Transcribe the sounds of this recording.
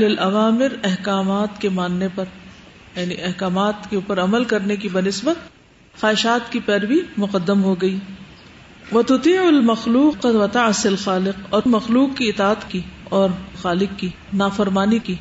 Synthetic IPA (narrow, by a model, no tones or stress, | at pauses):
lɪlʔɐʋaːmɪɾɛɦkaːmaːt̪kemaːnːepɐɾjaːniʔɛɦkaːmaːt̪keuːpəɾɐməlkɐɾnekibɐnɪsbət̪̚ | xaːɪʃaːt̪kipɛːɾbimʊqəd̪ːəmɦoɡɐiː | ʋɐt̪ʊt̪iːʕʊlmɐxluːqːɐd̪ʋɐt̪aʕsɪlxaːlɪqɔːmɐxluːqkiɪt̪aːət̪kiɔːɾxaːlɪqki | naːfɐɾmaːniki